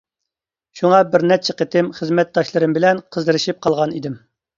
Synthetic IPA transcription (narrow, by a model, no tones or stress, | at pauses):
ʃuŋɑbɪɾnɛt͡ʃʰɛqət̪ɪmχəzmɛt̪̚d̪ɑʃlˠɨɾɨmbɪlɛnqʰəzd̪ɨɾɨʃip̚qʰɑlˠʁɑnid̪ɪm